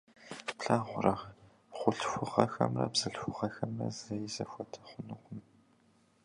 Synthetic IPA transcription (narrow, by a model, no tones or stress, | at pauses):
pɬaːʁʷʊrɐʁ | χʷʊɬxʷʊʁɐxɐ̰mrɐ̰bz̥ɨɬxʷʊʁɐxɐmrɐ̰zɐjizɐ̰xʷɔtʰɐ̥χʷʊnɨqʷʊm